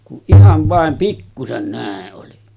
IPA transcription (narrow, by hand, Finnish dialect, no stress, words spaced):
kuʔ ʔihɑʋ ʋɑˑem pikːusen næˑeʔ ʔoli